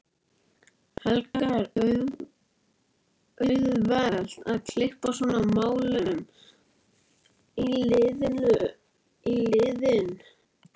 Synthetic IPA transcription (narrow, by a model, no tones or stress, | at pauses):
hɛlkaɾ | œðvɛl̥t̪aðkʰl̥ɪhpasvɔːnamaːwlʏʏm | ilɪðlʏ | ilɪðɪn